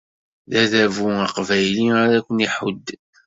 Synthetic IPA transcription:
ðæðævuaqvæjliaɾækʷːəniħʊd̪ː

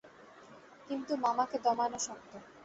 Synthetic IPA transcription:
kint̪umamaked̪ɔmanoʃɔk̚t̪o

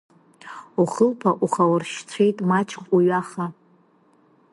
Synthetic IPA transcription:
uχəlpʰaʔuχawrʃt͡sʷʰejtʼmat͡ʃʰkʷʼuɥaχa

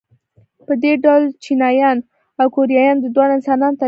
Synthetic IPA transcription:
pəd̪eɖawlt͡ʃinɑjɑn | awkoɾijɑjɑnd̪əd̪wɑɽaɪnsɑnɑnot̪a

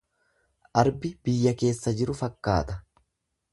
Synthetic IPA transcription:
ʔɐɾbɪb̥ɪjːɐke̞ːsːɐd͡ʒɪɾʊfɐkːa̰ːt̪ɐ

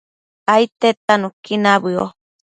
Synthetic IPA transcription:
ait̪et̪anũkinaβɨo̰

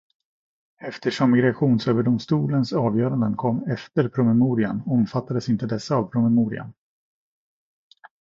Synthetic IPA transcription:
ɛft̪ʰəʂɔmːɪɡɾaɧuːnsøːvəɖʊmst̪uːlənsɑːvjœːɾand̪ənkʰɔmːɛft̪əɾpʰɾʊmɛmuːɾɪanɔmfat̪ːad̪əsɪnt̪əd̪ɛsːaːvpʰɾʊmɛmuːɾɪ̰a̰n

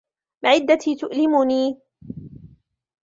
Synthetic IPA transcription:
bɪʕɪd̪ːat̪iːt̪ʊʔlɪmʊniː

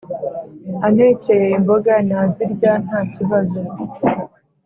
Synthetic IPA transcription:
aneːcejeimboɡanaːziɾɟan̥haːciβazoii

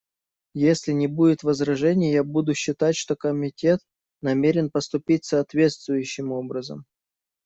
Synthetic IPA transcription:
jesʲlʲɪnʲɪbudʲɪt̪vəzɾɐʐɛnʲɪjjabud̪ʊɕːɪt̪atʲʂt̪o̞kəmʲɪtʲe̞t̪̚ | nɐmʲeɾʲɪnpəst̪ʊpʲitʲsɐːt̪vʲe̞t̪st̪vʊjʉɕːɪmo̞bɾəzə̰m

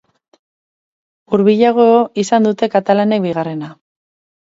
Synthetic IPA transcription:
uɾβiʎaɣ̞ooisand̪ut̪e̞kat̪alane̞kβiɣare̞na

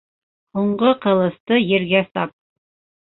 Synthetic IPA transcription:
huɴɢoqɤ̆lˠɤ̆st̪ɤjɘ̆ɾɡæsɑp̚

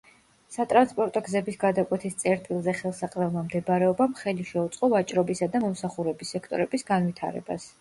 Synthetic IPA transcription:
sat̪ʼɾanspʼɔɾt̪ʼɔɡzɛbisɡad̪akʼwɛt̪ʰist̪sʼɛɾt̪ʼilˠzɛχɛlˠsaqʼvɛlˠmamd̪ɛbaɾɛɔbamχɛliʃɛut̪sʼqʼɔvat͡ʃʼɾɔbisad̪amɔmsaχuɾɛbisɛkʰt̪ʼɔɾɛbisɡanvit̪ʰa̰ɾɛ̰ba̰s

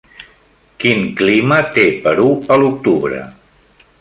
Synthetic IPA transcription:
kiŋklimət̪epəɾuəluk̚t̪uβɾə̰

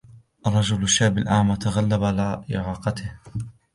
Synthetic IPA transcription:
ʔɑrˤːɑd͡ʒʊlaʃːaːbɪlʔaːmat̪aɣalːabalaʔɪ̰ʕɑːqɑt̪ɪh

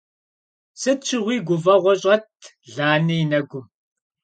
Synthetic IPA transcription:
sɐt͡ʃʰɪʁʷiːɡʷʊvɐʁʷɔɕʼɐt̚ʰ | ɮaːnijnɐɡʷʊm

